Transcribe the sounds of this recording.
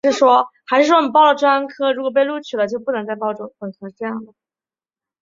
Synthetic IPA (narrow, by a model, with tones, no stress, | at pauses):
ʂɻ̩˥˩ʂwɔ˥xa˧˥ɪʂɻ̩˥˩ʂwɔ˥ni˨˩p̬ɑ˥˩ʊlə˩ʈ͡ʂwa˥nkʰɤ˥ɻu˧˥kwɔ˨˩p̬e˥˧ɪlu˥˩t͡ɕʰy˨˩lə˦t͡ɕjo˥˧ʊpu˥˩nɤ˧˥ŋt͡sa˥˧ɪpɑ˥˧ʊʈ͡ʂʊ˧˥˩ŋʈ͡ʂkʰɤ˧˥ʂ̩˥ʈ͡ʂɤ˥˧jɑ˥˩ŋd̪ə˩